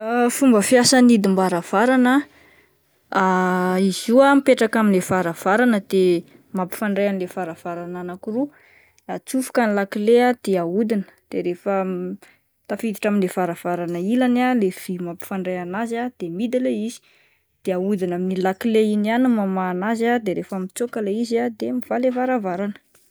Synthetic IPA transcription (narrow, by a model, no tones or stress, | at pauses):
fumbəfjasanid̪imbaɾav̥aɾanə | aizuamipeʈ͡ʂakaminlefaɾav̥aɾanəd̪̥e | mapi̥faɳɖ͡ʐajanilefaɾav̥aɾananakiru | at͡sufu̥kanilakilead̪̥eaud̪inə̥d̪̥eɾefə | t̪afit̪iʈ͡ʂaminlefaɾav̥aɾanəilanalev̥imapi̥faɳɖ͡ʐajanazad̪̥emid̪aleizi̥ | d̪̥eaud̪inaminilakileinanumamaːnazad̪eɾefəmit͡sokaleizad̪emiv̥alefaɾavaɾanə̥